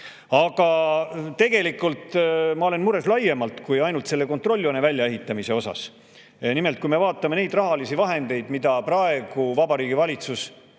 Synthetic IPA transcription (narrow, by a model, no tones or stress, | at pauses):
ɑɡ̥ɑt̪e̞ɡ̥e̞likːˑult̪ˑmɑo̞le̞nmuɾe̞slɑje̞mɑlt̪kujɑjnult̪se̞lːe̞ko̞nt̪ro̞lʲːonevælʲjɑe̞ɦit̪ːˑɑmise̞o̞sɑ̰s | nime̞lt̪̚kujme̞vɑːt̪ˑːɑmene̞jd̪rɑɦɑlisivɑɦe̞nd̪̥e̞jd̪̥mid̪̥ɑprɑe̞ɡ̥uvɑbɑɾiːɡivɑlʲit̪sus